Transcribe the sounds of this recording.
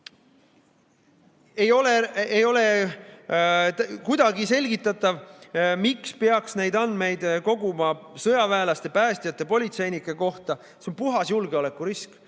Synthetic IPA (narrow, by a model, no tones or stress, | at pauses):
ejo̞leejo̞le | kujd̪̥ɑɡise̞lʲɡit̪ːˑɑt̪ːˑɑvmikspeɑksne̞jd̪ɑnd̪me̞jd̪ko̞ɡumɑsɤjɑvæːlɑst̪epæːst̪ijɑt̪ːˑe̞po̞lʲit̪se̞jnikːˑeko̞ht̪ɑ | seo̞mpuɦɑsjulɡeole̞kːuɾisk